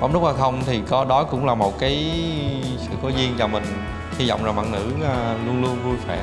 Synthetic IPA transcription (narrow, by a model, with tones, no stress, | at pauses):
ɔ̰˨˧˩ŋ͡mɗk͡p̚ʔaː˧˩xə˧wŋ͡mt̪ʰi˨˩kɔ˨˦ɗɔ˨˦kʊ̰˧˥ŋ͡mlaː˨˩mo˨˩t̚kaː˨˦j | sɨ̰˧˨ko˨˦zi˧ənt͡ɕɔ˧˩mï˨˩ŋ̟ | hi˧zɔ̰˧˨ŋ͡mzaː˨˩ma̰ː˧˨˩nɨ̰˧˥˨lu˧ənlu˧ənvu˧swɛ˧˩˨